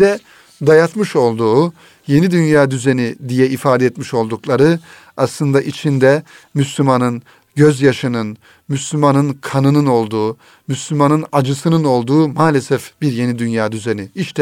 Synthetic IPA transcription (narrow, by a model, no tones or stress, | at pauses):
d̪ɛ | d̪ajat̪mɯʃo̞lˠd̪uː | je̞nid̪ynjaːd̪yzenid̪ijɛifaːd̪ɛɛt̪miʃo̞lˠd̪uklˠaɾɯ | aslˠɯnd̪aʔit͡ʃʰind̪ɛmyslʲymanɯn | ɟøzjaʃɯnɯn | myslʲymanɯnkʰanɯnɯno̞lˠd̪uː | myslʲymanɯnad͡ʒɯsɯnɯno̞lˠd̪uːmaːlʲesɛfbiɾje̞nid̪ynjaːd̪yzeniiʃt̪ʰɛ